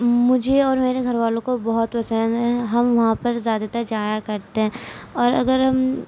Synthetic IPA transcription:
mʊd͡ʒʱeɔːɾmeːɾeɡʱɐɾʋaːlõkobɐɦʊt̪ʋɐsənɦɛɦɐmʋɐɦãpɐɾzjaːd̪at̪ɐkd͡ʒaːjakɐɾt̪eɦɛ̃ɔːɾɐ̰ɡəɾɦɐm

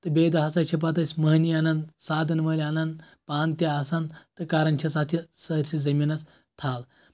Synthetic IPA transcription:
t̪ɨbed̪ɐɦasat͡ʃʰip̬at̪əsʲməɦnianɐnd̪saːd̪ɐnʋɐlʲanɐnd̪ | pant̪jaasand̪t̪ɨkaɾɐnt͡ʃʰɐsat̪ʰisɐɾsid͡zɐminas | t̪ʰal

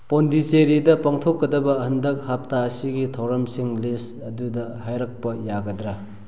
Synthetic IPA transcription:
pondiseɾidɐpaŋtʰokːɐdɐbɐhɐndɐk̚hap̚taɐsiɡitʰɐwɾɐmsiŋlis | ɐdudɐhajɾɐk̚pɐjaɡɐdɾɐ

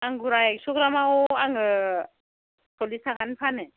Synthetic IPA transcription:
aŋɡuɾajɛʃukuɾamawɔaŋa | tʰolisakanifʰanɛ

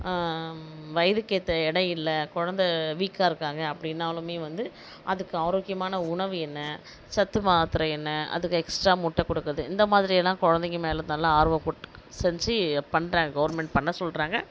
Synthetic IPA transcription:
ʋɐjɐðɯkːeːt̪ːɐɛɽɐjɪlːɐkɔɻɐnd̪ɐʋiːkːaːɪɾɯkːaːŋɡɐːpːɐɽɪnːaːlɯmeːʋɐnd̪ɯ | ʔɐðɯkːɯaːɾoːkːɪjɐmaːnɐʊɳɐʋɯɛnːɐ | sɐt̪ːɯmaːt̪ːɪɾɐɛnːɐɐ̰ðɯkːɯɛksʈɾaːmʊʈːɐkːɔɽɯkːɐðɯɪnd̪ɐmaːðɪɾɪjɛlːãːkɔɻɐnd̪ɪŋɡɯmeːlɐt̪aːlːãːaːɾʋɐ̃kʊʈː | sɛɲd͡ʒɯpɐɳːɾaːŋɡɐɡɐʋɐɾmɛɳʈ̚pɐɳːɐsɔlɾaːŋɡɐ

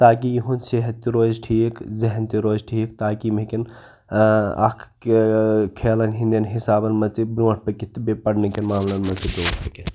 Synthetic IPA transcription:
t̪aːk̬ijuɦunseɦɐt̪ːiɾoːzʈʰiːkzɐɦɐnt̪iɾoːzʈʰiːkt̪aːkimekin | ɐ̰kʰ | kʰeːlɐnɦind̪jɐnɦisaːbɐnmɐtibɾõːʈʰpɐkit̪bepɐɽnekinmaːmlɐnmɐt͡s̪ibɾõːʈ̚ʰpɐket̪

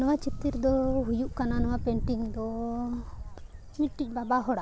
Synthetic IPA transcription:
nɔwat͡ʃit̪iɾd̪ɔɦujuʔkananɔwapɛɳʈiŋd̪ɔ | miʈic̚ˀbabaɦɔɽa

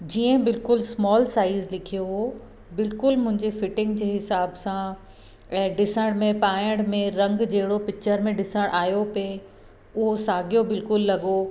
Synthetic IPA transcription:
d͡ʑiːə̃bɪlkʊlsmɔːlsaːɪzlɪkʰijoɦoː | bɪlkʊlmʊ̃ɦɪ̃ɲd͡ʑefɪʈɪ̃ŋɡd͡ʑeːɦɪsaːbsã | ɛ̃ːɖɪsəɽ̃mẽpaːjəɽ̃mẽɾɐ̃ŋɡd͡ʑɐɦɪɽopɪk̚t͡ɕəɾmẽɖɪsəɽ̃ʔaːjope | ʊɦosaːɡijobɪlkʊlːɐɡo

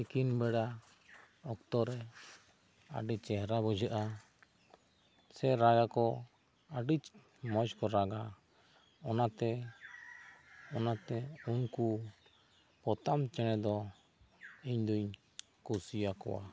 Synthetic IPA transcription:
ikinbɛɽa | ɔkt̪ɔɾɛ | aɖit͡ʃt͡ʃɛɦɾabɔd͡ʒaʔa | sɛɾaɡakɔ | aɖit͡ʃ | mɔt͡ʃkɔɾaɡa | ɔnat̪ɛ | ɔnat̪ɛunku | pɔt̪amt͡ʃɛɽ̃ɛd̪ɔ | iɲd̪uɲ | kusijakɔ̰wa̰

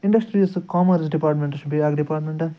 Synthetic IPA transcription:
iɳɖɐksʈɾiɐsɨkaːmɐɾsɖipaːɾʈmẽɳʈɐʃubiaːɡɖipaːɾʈmẽɳʈɐ

